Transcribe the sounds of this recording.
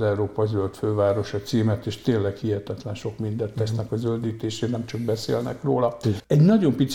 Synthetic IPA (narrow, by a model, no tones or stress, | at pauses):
ɛuɾoːpɒzølt̪føːvaːɾo̞ʃɒt̪siːmɛt̪eːʃt̪eːlɛkhiɦɛt̪ɛt̪lɛnʃo̞kmind̪ɛnt̪ːɛsnɛkɒzøld̪iːt̪eːʃeːnɛmt͡ʃɒk̚bɛsḛːlnɛ̰kroːlɒɛɟnɒɟo̞mpit̪s